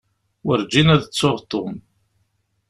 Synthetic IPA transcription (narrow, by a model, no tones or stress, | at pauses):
wəɾd͡ʒinæðt͡sːoʁt̪ːom